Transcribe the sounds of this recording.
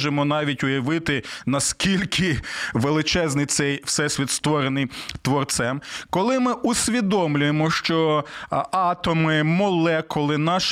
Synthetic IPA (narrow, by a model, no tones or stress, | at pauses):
ʒemɔnɑʋʲitʲʊjɐʋɪt̪ɪnɐskʲilʲkʰɪʋelˠɪt͡ʃɛznɪjt̪sɛjwsɛsʲʋʲit̪st̪ʋɔɾenɪjt̪ʋɔrt̪sɛmkɔlˠɪmɪʔusʲʋʲid̪ɔmlʲʊjemɔʃt͡ʃɔ | ɑt̪ɔmɪmɔlˠɛkʊlˠɪnɑʃ